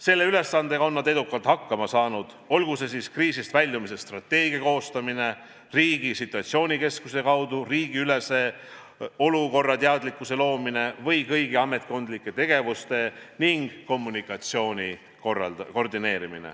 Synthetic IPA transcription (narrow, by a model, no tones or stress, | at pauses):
se̞lːe̞yle̞sːɑnd̪e̞ɡɑo̞nːɑd̪e̞d̪ukːˑɑlt̪hɑkːɑmɑsɑːnud̪̥ | o̞lɡuse̞siskriːsist̪vælʲjumise̞st̪rɑt̪ːˑe̞ːɡiɑko̞ːst̪ɑmine̞ | riːɡ̥isit̪ˑːuɑt̪sio̞ːnʲike̞skuse̞kɑwd̪uriːɡ̥iyle̞se̞ | o̞luko̞rːɑt̪eɑd̪likːˑuse̞lo̞ːmine̞vɤjkɤjɡiɑme̞t̪̚ko̞nd̪likːˑe̞t̪e̞ɡ̥e̞vust̪e̞niŋɡ̥ko̞mːunikːˑɑt̪sio̞ːnʲi | korɑ̰ko̞rd̪ine̞ːɾimḭnḛ